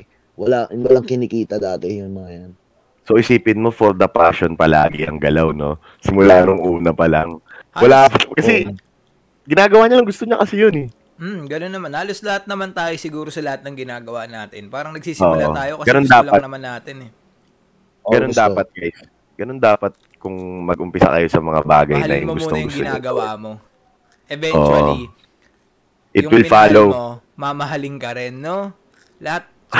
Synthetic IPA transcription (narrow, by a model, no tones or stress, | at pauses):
wɐlawɐlaŋkɪnɪkiːt̪ɐd̪aːt̪ɛjʊnːɐɐjan | soʔɪsiːpɪnmo̞foɾd̪ɐpa̰ʃonpɐla̰ːɡɪ̰ʔɐ̰ŋɡɐlawno̞̰ | sɪmʊlaːnoŋʔuːnɐpɐla̰ŋwɐlaːpkɐsɛ | ɡɪnaːɡɐwaːɲɐlɐŋɡʊst̪o̞ɲɐkɐsɪjonɛ | m̩ɡɐnonːɐmanhaːloslɐhat̪̚nɐmant̪aːjosɪɡuːɾosɐlɐhat̪̚nɐŋɡɪnaːɡɐwaʔnaːt̪ɪnpaːɾɐŋnɐɡ̚siːso̰ːʔʔot̪aːjokɐsɡɐnond̪aːlɐɐnɐmanːaːt̪ɪnɛ | ɡɐnond̪aːpɐt̪̚ɐjs | ɡ̥ɐno̞nd̪aːpɐt̪̚kʊŋmɐɡʔʊmpɪsɐ̰kɐ̰jo̞sɐmɐŋa̰ba̰ːɡɐjnɐ̰jʊ̰ŋɡʊst̪oŋɡʊstɡɪona̰ɡɐwaːmo̞ | ʔɛvɛnoːʔwo | ʔɪjʊwɪlfaːlowo | mamɐɦɐlɪŋkɐɾɛnːo | lɐhat̪̚